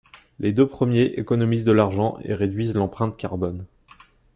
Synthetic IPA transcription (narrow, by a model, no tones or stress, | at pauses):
led̪øpχəmjeʔekɔnɔmizd̪əlaʁʒɑ̃ʔḛʁed̪ɥizlɑ̃pχɛ̃t̪kʲaʁbɔn